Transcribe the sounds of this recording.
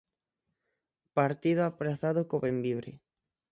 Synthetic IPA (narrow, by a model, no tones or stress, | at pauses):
paɾt̪iðoapɾaθaðokoβembiβɾeɪ̰